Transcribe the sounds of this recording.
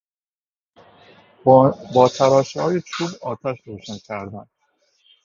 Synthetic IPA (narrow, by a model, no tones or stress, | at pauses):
bɒːt̪ʰæɾɒːʃhɒːjet͡ʃʰuːbɒːt̪ʰæʃɾoːʃæncʲʰæɾd̪ænd̪̥